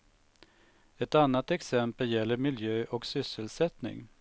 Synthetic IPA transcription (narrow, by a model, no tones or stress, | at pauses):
ɛt̪anːat̪ɛksɛmpəljɛlːəɾmɪljøːʔɔksʏsːəlsɛt̪nɪ̰ŋ